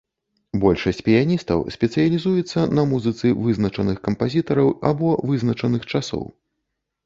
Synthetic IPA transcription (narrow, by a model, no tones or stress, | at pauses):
bɔlʲʂɐsʲt͡sʲpʲijanʲist̪ɐ̰wsʲpʲɛt̪sɨjɐlʲizujɛt̪sːɐnɐmuzɨt̪sɨvɨznɐt͡ʂɐnɨxkɐmpazʲit̪ɐɾɐwa̰bɔvɨzn̪ɐt͡ʂɐnɨxt͡ʂasɔ̰w